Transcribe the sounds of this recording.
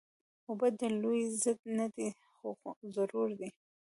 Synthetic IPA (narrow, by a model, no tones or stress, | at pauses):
obad̪əlojzəd̪̚nad̪i | xoxzaɾuɾd̪i